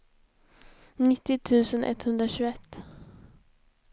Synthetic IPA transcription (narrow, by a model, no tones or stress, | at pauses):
nɪt̪ːɪt̪ʰʉ̟ːsənʔɛ̰t̪ːhɵnd̪ɾaɕʉːɛt̪ː